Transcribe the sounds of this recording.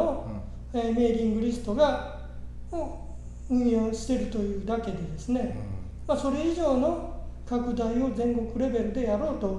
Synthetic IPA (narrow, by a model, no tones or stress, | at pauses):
o | eme̞ːɾʲĩŋɡɯ̟ɾʲisɨ̥t̪o̞ɡa | oː | ɯ̟̃ɰ̃joːɕi̥t̪e̞ɾɯ̟t̪o̞jɯ̟ːd̪ake̞d̪e̞d̪e̞sɨne̞ | maso̞ɾe̞iʑo̞ːno̞ | kakɯ̟d̪aio̞zẽ̞ŋko̞kɯ̟ɾe̞be̞ɾɯ̟d̪e̞jaɾo̞ːt̪o̞